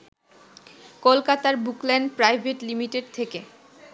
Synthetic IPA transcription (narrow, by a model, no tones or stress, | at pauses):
kolkat̪aɾbuklɛnɖpɾajbʱeʈlimiʈeɖ̚t̪ʰeke